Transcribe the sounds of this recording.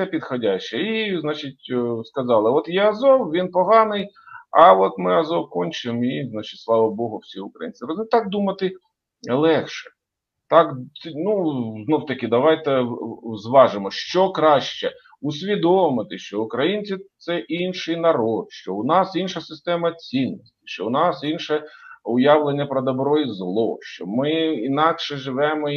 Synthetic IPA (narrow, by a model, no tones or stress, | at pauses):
sɛpʲid̪xɔdʲaʃt͡ʃɛiznɑt͡ʃɪt̚ʲskɐzɑlˠɪɔt̪jɛɐzɔwʋʲinpɔɦɑnɪj | ɐɔt̪mɪɐzɔwkɔnʲt͡ʃɪmiznat͡ʃɪ̥tʲslˠɑʋɐbɔɦʊwsʲiʊkɾɐ̰jḭnʲt͡sʲɪɾɔznɪt̪ɑk̚d̪umɐt̪ɪ | lˠɛxʃɛ̥ | t̪ɑk̪nuznɔwt̪ɐkʲɪd̪ɐʋɑjt̪ɛzʋɑʒɪmɔʃt͡ʃɔkɾɑʃt͡ʃɛ | ʊsʲʋʲid̪ɔmɪt̪ɪʃt͡ʃɔʊkɾɐjinʲt͡sʲit̪sɛʔinʃɪjnɐɾɔt̪ʃt͡ʃɔʊnɑsinʃɐsɪst̪ɛmɐt͡sʲinːɔsʲtʲi̥ʃt͡ʃɔʊnɑsinʃɛʊjɑʋlˠenʲːɐpɾɔd̪ɐbɾɔjizlˠɔʃt͡ʃɔmɪinɑkʃɛʒɪʋɛmɔ